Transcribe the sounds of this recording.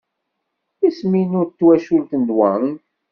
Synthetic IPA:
isminʊɾt̪ːwæʃult̪ənd̪wæ

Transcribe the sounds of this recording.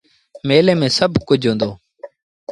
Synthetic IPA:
meːlẽːmẽːsəbʱkʊd͡ʒʱɦõːnd̪oː

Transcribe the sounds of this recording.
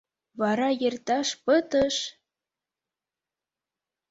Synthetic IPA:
βɑɾɑjert̪ɑʃpət̪əʃ

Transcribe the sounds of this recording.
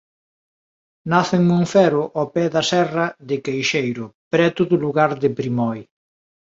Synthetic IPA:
naθɪŋmõɱfɛɾʊʔɔpɛðɐsɛrɐðɪkejʃejɾʊpɾɛt̪ʊðʊluɣaɾðɪpɾimɔj

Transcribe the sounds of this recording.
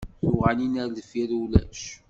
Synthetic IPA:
θʊʁaninæɾlfiɾulæ̰ʃ

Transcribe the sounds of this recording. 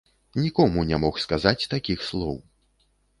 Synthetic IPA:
nʲikɔmunʲɛmɔxskazat͡sʲt̪akʲixslˠɔw

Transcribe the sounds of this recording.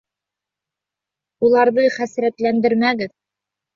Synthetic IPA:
ulˠɑɾðɤχæsɾæt̪lænd̪ɘɾmæɡɘð

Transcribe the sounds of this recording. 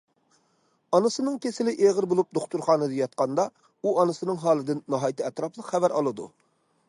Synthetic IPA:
ɑnɨsɨnɨŋkʲʰesɪlɪʔeʁəɾbolˠup̚d̪oχt̪uɾχɑːnɨd̪ɨjɑt̪̚qɑnd̪ɑ | uɑnɨsɨnɨŋɦɑːlˠɨd̪ɪnːɑɦɑːjt̪ʰɨɛt̪ɾɑplˠəqχævæɾʔɑ̰lˠɨd̪ṵ

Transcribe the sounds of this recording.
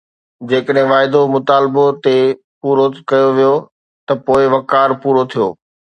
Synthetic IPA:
d͡ʑeːkəɗɦɪ̃ʋaːɪd̪omʊt̪aːlbot̪e | puːɾokɐjoʋijo | t̪ɐpoːɪʋɐkaːɾpuːɾot̪ʰijo̰ː

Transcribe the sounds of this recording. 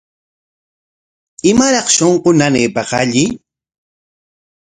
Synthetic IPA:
ɪmaɾɑχʃoɴqonaneːpɑqaʎɪ

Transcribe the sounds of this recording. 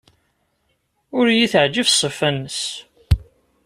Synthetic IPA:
ʊɾjiθəʕd͡ʒəvsˤːəfænːəs

